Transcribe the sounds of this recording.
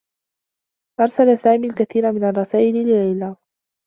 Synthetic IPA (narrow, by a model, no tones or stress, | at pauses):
ʔɑɾˤsalasaːmiːlkaθiːɾamɪnarˤːɑsaːʔɪlɪlɪlajlaː